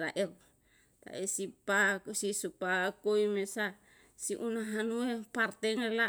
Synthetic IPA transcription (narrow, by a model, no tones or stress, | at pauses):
ɾa̰ʔe | t̪a̰ʔesipasisupakoimesa | siʔunaɦanuepart̪eŋela